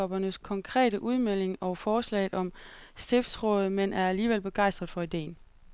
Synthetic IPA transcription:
ɒ̽b̥ɐnəskʰɒ̽ŋkʰʁɛ̰ːɾ̥əʔuð̞ˠmel̰e̝ŋɒ̽fɒːslɛ̰ɪð̩ˠʔɒ̽msd̥efsʁɔ̰̽ːð̞̩ˠmenʔæɐæliːʋelb̥e̝ɡ̥ɑ̈ɪsd̥ʁɐð̩ˠfɒ̽id̥e̝̰ːn̩

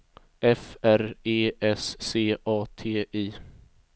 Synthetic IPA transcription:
ʔɛfæɾeːʔɛsːeːʔɑːt̪ʰeːʔiː

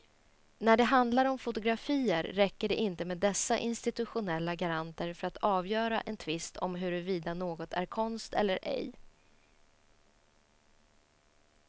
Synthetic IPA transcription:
næɖɛɦand̪laɾɔmfʊt̪ʊɡɾafiːəɾːɛkːəɖɛʔɪnt̪əmeːd̪ːɛsːaʔɪnst̪ɪt̪ɵɧʊnɛlːaɡaɾant̪əɾfœɾat̪ɑːvjœːɾa̰ʔɛnt̪ʰvɪst̪ʰɔmɦɵɾɛviːd̪anoːɡɔt̪ʰæ̰ɾkʰɔnst̪ɛ̰lːəɾʔɛ̰j

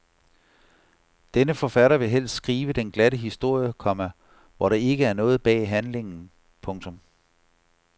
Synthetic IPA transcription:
d̥enəfɒ̽fæɾɐʋe̝ɦel̰sd̥sɡ̥ʁiːʋəd̥enɡ̥læɾəɦisd̥o̝ɐ̰jəkʰɒ̽mæ | ʋɒɾ̥ɑ̈e̝ɡ̥əæɐnɔ̽ːð̞̩ˠb̥ɛ̰ːɦænle̝ŋn̩ | pʰɔ̽ŋt͡sʰɔ̽m

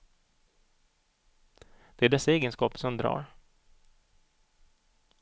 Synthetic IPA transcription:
d̪̥ɛæɖɛsːaeːɡənskɑːpəsɔmd̪ɾɑ̰ːɾ

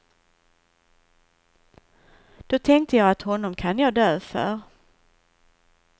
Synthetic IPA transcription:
d̪̥ɔt̪ʰɛŋk̚t̪əjɑːat̪hɔnːɔmkʰanjɑːd̪øːfœ̰ɾ

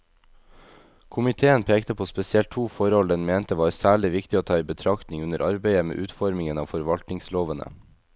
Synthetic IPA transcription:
kʰʊmɪt̪ʰeːənpʰeːkt̪əpʰoːspɛsɪɛlt̪ʰːuːfɔɾɔld̪əɛnmeːnt̪əʋɑːɾsæːɭɪʋɪkt̪ɪoːt̪ʰɑːiːbət̪ʰɾɑkt̪nɪŋʉnəɾʔɑɾbeɪəmḛːʔʉːt̪fɔɾmɪŋənɑ̰ːfɔɾʋɑlt̪nɪŋsloːʋənə̰

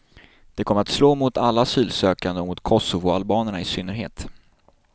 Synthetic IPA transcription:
d̪̥ɛkʰɔməɾat̪sloːmʊt̪alːaasyːlsøːkand̪əmʊt̪kʰɔsʊvʊalbɑːnəɳaɪsʏnːəɾɦḛːt̪

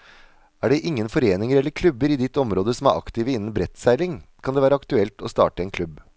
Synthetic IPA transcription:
æːɖɛʔɪŋːənfɔɾeːnɪŋəɾɛlːəɾkʰlʉbəɾiːd̪ɪt̪ːɔmɾoːd̪əsɔmæɾʔɑ̰kt̪iːʋəɪnːən̩bɾɛt̪sæɪlɪŋkʰɑnd̪eːæːɾəɑkt̪ʉɛlt̪oːst̪ɑ̰ːʈəeːnkʰlʉb

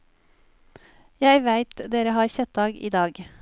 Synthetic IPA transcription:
jæɪʋæɪt̪d̪eːɾəhɑːɾçœt̪̚d̪ɑːɡḭːd̪ɑːɡ

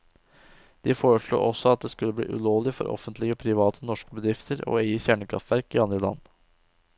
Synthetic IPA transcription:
d̪̥ɪfoːɾəʂɭṵːʔɔsːɔɑt̪̚d̪eːskʉlːəblḭːʔʉ̰loːlɪfɔ̰ɾʔɔ̰fənt̪lɪɡəɔpʰɾɪʋɑːt̪ʰənɔʂkəbəd̪ɾɪft̪ʰəɾɔ̰ːeɪəçæɳəkʰɾɑ̰ft̪ʋæɾkɪɑnd̪ɾəlɑ̰nː

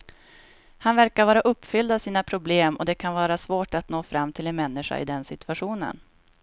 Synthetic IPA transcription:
hanvæɾkaɾvɑːɾaʔɵpːfʏld̪avsiːnapʰɾʊbleːmɔd̪ɛkʰanvɑːɾasvoːʈat̪noːfɾamːt̪ʰɪlɛnmɛnːɪʂa̰ɪ̰d̪ɛnsɪt̪ɵ̥aɧuːnə̰n

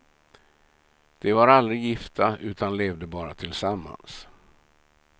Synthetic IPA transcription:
d̪̥ɛvaɾald̪ɾɪjɪft̪ʰaʔʉ̟ːt̪ʰanleːvd̪əbɑːɾat̪ʰɪlsamːa̰ns

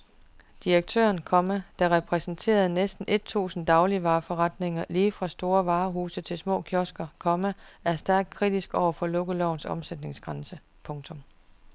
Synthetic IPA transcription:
d̥iʁɐɡ̥̚t͡sʰø̰ːɐnkʰɒ̽mæd̥ɑ̈ʁɛpʰʁɛsn̩t͡sʰe̝̰ːɐð̞̩ˠnesd̥n̩ʔe̝d̥̚t͡sʰṵːsn̩d̥ɑ̈ʊliʋɑ̈ːfɒʁɑd̥ne̝ŋɐliːfʁɑ̈sd̥o̝ːɐʋɑ̈ːɦuːsət͡sʰe̝lsmɔ̰̽ːkʰjɒsɡ̥ɐkʰɒ̽mææɐsd̥æɐɡ̥̚kʰʁid̥isɡ̥ɒʊ̰ɐfɒ̽lɔ̽ɡ̥əlɒʊnsɒ̽msed̥ne̝ŋsɡ̥ʁɑnsə | pʰɔ̽ŋt͡sʰɔ̽m

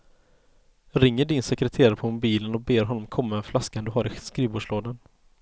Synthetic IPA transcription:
ɾɪŋːəɖɪnsɛkɾɛt̪ʰeːɾaɾpʰɔmʊbiːlənɔbeːɾɦɔnːɔmkʰɔmːaɛnflaskaɛnd̪ɵɦaːɾɪskɾiːbuːʂloːd̪ən

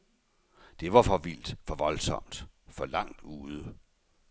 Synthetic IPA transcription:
d̥e̝ʋɑ̈fɒ̽ʋil̰d̥fɒ̽ʋɒ̽lsɒ̽m̰d̥fɒ̽lɑ̈ŋ̰d̥uːð̞ˠə

